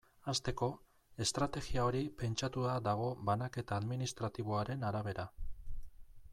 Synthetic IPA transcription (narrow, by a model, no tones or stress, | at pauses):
ast̪e̞ko̞ | e̞st̪ɾat̪e̞ɣiao̞ɾipe̞nt͡ʃat̪uðad̪aɣ̞o̞βanake̞t̪aːðminist̪ɾat̪iβ̞o̞aɾe̞naɾaβe̞ɾa